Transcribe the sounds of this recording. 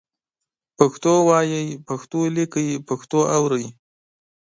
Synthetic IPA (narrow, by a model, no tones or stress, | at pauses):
paxt̪owɑjəjpaxt̪olikəjpaxt̪oawɾəj